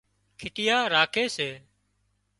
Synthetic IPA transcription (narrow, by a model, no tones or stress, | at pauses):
kʰɪʈɪjaːɾaːkʰeːseː